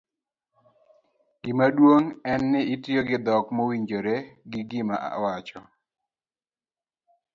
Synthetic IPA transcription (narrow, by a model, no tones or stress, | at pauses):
ɡ̥ɪmadwoŋɛnːɪitjoɡɪd̪ɔkmowiɲd͡ʒoɾeɡɪɡɪma̰ʔa̰wat͡ʃɔ